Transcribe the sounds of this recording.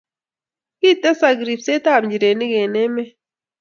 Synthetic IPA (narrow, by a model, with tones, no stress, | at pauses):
ki˦t̪a˦sa˧ɡɾi˨pse˦t̪a˦˨bɲd͡ʒi˨ɾe˨ni˦ɡe˨ne˦me˦